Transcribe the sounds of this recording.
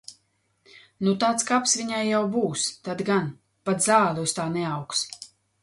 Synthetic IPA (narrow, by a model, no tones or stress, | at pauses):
nut̪aːt̪skapsvʲiɲajːawbuːst̪ad̪ɡan | pat̪zaːlʲˠust̪aːnɛawks